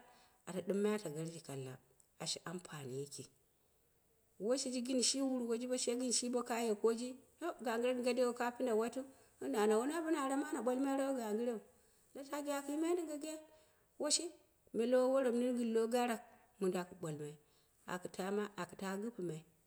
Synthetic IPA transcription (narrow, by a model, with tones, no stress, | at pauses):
a˨ta˨du˦mːa˦a˦ta˨ɡa˨ɾd͡ʒi˨ka˨lːa̰˨ | a˨ʃi˨ʔa˦mpʰa˨ni˨ji˦ki˨ | wo˦ʃi˦d͡ʒi˦ɡi˦n˨ʃi˦wu˦ɾu˨wo˦d͡ʒi˦bo˦ʃe˦ɡi˦n˨ʃi˦bo˦ka˦je˨ko˦d͡ʒi˦to˦ɡa˨ŋɡi˦ɾe˦dɡa˦de˦o˨ka˦pi˦nda˨wa˦tu˦ | u˦na˨na˨wo˦na˦bu˦na˨ɾa˨ma˦na˨ɓo˦lma˦ɾa˦u˦ɡa˨ŋɡi˦ɾe˦u˨ | la˦ta˦ɡi˦ja˨ki˨˦i˦ma˦di˦ɡa˦ɡa˦ | wo˦ʃi˦ | me˨lo˦wo˦ɾo˨mni˦ɾɡi˨lo˦ɡa˦ɾa˨k̚ | mu˨nda˨ku˨ɓo˨lma˨i˦˨ | a̰˨ku˨tʰa˦ma˦ʔa˨ku˨ta˦ɡu˦pi˨ma˨i˨